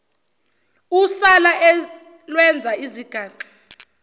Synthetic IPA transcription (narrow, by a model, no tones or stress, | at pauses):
usalaɛ | lwɛnd͡zʱaiziɡ̥ʱaːǃi̥